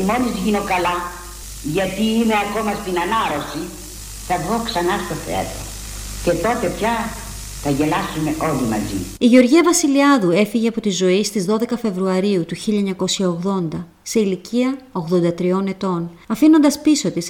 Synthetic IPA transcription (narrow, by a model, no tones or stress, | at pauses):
mo̞lizʝino̞kɐlɐ | ʝɐt̪iːme̞ɐko̞mɐst̪inɐnɐɾo̞si | θɐðɣo̞ksɐnɐst̪o̞fḛt̪o | ce̞t̪o̞t̪e̞pçɐ | θɐʝe̞lɐsume̞ʔo̞limɐ̰zḭiʝe̞o̞ɾʝiɐvɐsiliɐðue̞fiʝe̞ɐpo̞t̪izo̞ist̪izðo̞ðe̞kɐfe̞vɾuɐɾiut̪uçiʎɐɲɐko̞sçɐoɣðo̞nd̪ɐ | se̞iliciɐo̞ɣðo̞nd̪ɐt̪ɾio̞ne̞t̪o̞nɐfino̞nd̪ɐspiso̞t̪is